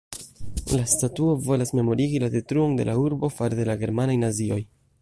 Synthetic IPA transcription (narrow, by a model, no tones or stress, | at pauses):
lastatuo̞vo̞lasme̞mo̞ɾiɡilade̞tɾuo̞nde̞̰lʔauɾbo̞faɾde̞laɡe̞ɾmanajnazio̞j